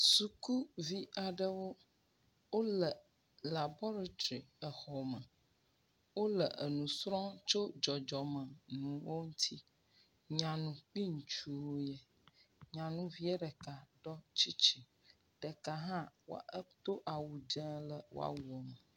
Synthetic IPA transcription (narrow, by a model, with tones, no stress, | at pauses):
su˨ku˦vi˦a˨ɖə˦wo˦ | wo˦lə˨ | la˨bɔ˦ɾa˨t̪ɾi˨ə˨xɔ˨mə̃˨ | wo˦lə˨ʔə˨nũ˨sɾɔ̃˦t͡ʃo˦d͡ʒɔ˨d͡ʒɔ˨mə̃˨nũ˨wo˦ŋũ˦t̪ʰi˦ | ɲã˨nũ˨k͡pi˦ŋ̩˨t͡ʃu˦jɛ˦ | ɲã˨nũ˦vi˦e˦ɖə˨ka˨ɖɔ˦t͡ʃi˦t͡ʃi˨ | ɖ̥ə˨ka˨ɦã˦wo̰˦a˨ə˦t̪o˦ʔa˨wu˨d͡ʒə̃˦lə˨wo̰˦a̰˦wu˨ɔ˨mə˨